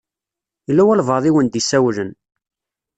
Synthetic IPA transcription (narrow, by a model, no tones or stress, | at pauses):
lːæwælvɑðˤiwənd̪isæwlən